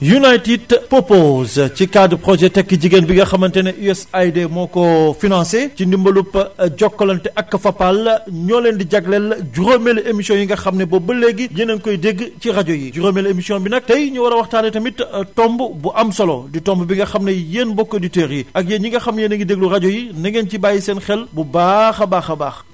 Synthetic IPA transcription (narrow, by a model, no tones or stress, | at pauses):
junajtidpopozcikaːdpɾɔʒɛtɛkːəɟiɡenbiŋɡɐxɐmɐntɛnɐʔuɛsajdemɔːkɔfinãnsecindimbɐlupːɟɔkːɔlɐntɛʔɐkːɐfɐpːɐlɲɔːlɛndiɟɐɡlɛlɟuɾomɛlemisiɔ̃njiŋɡɐxɐmnɐbɔbəlːɛɡːjenɐnkɔjdeɡcirɐɟɔjid͡ʒuɾomɛlemisiɔnbinɐk̚tɐjɲuwɐɾɐwɐxtaːnɛtɐmittɔmbbuʔɐmsɐlɔditɔmbubiŋɡɐxɐmnɐjeːnbɔkːoditɛːɾjiɐk̚jeːɲiŋɡɐxɐmjenɐŋɡideɡ̚lurɐɟɔjinɐŋɡencibajisɛːnxɛlbubaxɐbaːxɐbaːx